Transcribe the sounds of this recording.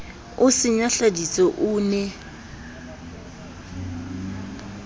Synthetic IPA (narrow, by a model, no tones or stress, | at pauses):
ʊsɪɲaɬadit͡sʼɔʔʊːnɛ